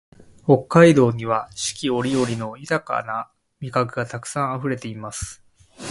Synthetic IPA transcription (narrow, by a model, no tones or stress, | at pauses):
ho̞kːaid̪o̞ːɲ̟iβaɕi̥kʲio̞ɾʲio̞ɾʲino̞jɯt̪aka̰na | mʲikakɯ̟ɡat̪akɯ̟̥sãɰ̃aɸɯ̟ɾe̞t̪e̞imasɨ̥